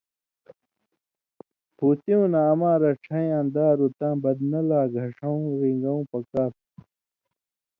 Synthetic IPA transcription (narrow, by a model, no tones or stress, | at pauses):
pʰuːt̪iũnaːmãːɾɐʈ͡ʂʰɐ̃j̃ɐ̃nd̪aːɾut̪ãːbɐd̪nɐlaːɡʱɐʂɐũɾiŋɡɐũːpɐkaːp̚